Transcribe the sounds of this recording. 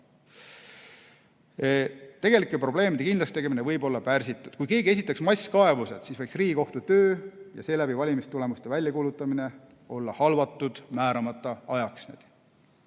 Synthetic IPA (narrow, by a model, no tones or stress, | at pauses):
t̪e̞ɡe̞likˑːepro̞ble̞ːmid̪e̞kind̪lɑst̪e̞ɡeminevɤjbo̞lːɑpærsit̪ːˑud̪̥kujke̞ːɡie̞s̬ʲit̪ːˑeksmɑjsʲkɑe̞vuse̞d̪̥siːsvɑjksriːɡiko̞ht̪ut̪ø̞ːjɑ̰se̞ːlæbivɑlʲimist̪ule̞must̪e̞vælʲjɑkuːlut̪ːˑɑmine̞ | o̞lːɑhɑlvɑt̪ːˑud̪̥mæːɾɑmɑt̪ːˑɑɑjɑksnḛd̪̥